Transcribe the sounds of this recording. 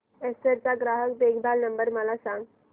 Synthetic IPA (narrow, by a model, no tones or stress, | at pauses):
eseɾt͡saɡɾaɦək̚beɡʰb̪alnəmbəɾməlasãŋɡ